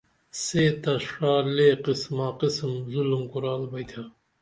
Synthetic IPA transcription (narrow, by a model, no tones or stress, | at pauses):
seːt̪aʂaːleqismaːqɨsɨmzulumkuɾaːlbajt̪ʰa